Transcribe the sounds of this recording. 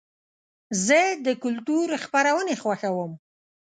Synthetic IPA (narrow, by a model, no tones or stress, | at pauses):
zəd̪əkʊlt̪uɾxpaɾawənexwaxawəm